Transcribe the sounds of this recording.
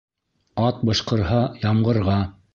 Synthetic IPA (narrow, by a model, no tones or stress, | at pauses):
ɑt̪̚bɤ̆ʃqɤ̆ɾɦɑjɑmɢɤ̆ɾʁɑ